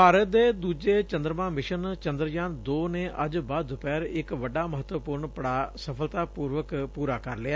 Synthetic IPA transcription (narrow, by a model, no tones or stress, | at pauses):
paːɾət̪̚d̪eːd̪uːd͡ʒeːt͡ʃənd̪ɾəmãːmɪʃənt͡ʃənd̪ɾəd͡ʒaːnd̪oːneːʔəd͡ʒbaːd̪ːʊpɛːɾɪkʋəɖaːməɦət̪wəpuːɾɳpəɽaːsəpʰəlt̪aːpuːɾʋəkpuːɾaːkəɾlɪaː